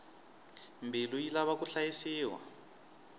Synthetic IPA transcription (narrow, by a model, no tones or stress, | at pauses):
mbʱilujilaβakuɬajisiːwa̰